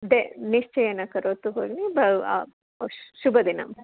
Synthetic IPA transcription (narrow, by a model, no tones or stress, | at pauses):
d̪eniʂt͡ʃɐjɐnːɐkɐɾoːt̪ːuɦoːɡnibɐa̰ | ʃubɐd̪inɐ̰m